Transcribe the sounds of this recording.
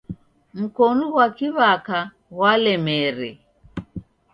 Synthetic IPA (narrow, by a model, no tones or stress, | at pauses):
m̩kɔnuɣwakiβaka | ɣwalɛmɛɾɛ